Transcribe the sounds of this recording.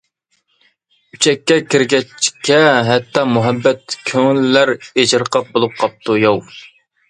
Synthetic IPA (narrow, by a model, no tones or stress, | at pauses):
y̥t͡ʃʰɛkʲːɛkʲɪɾɡʲɛt͡ʃʰːkʲʰɛɦɛt̪ːɑmuɦɛbːɛt̪kʲʰøŋlːæɾed͡ʒɾqʰɑp̚bolˠup̚qʰɑp̚t̪ʰujɑw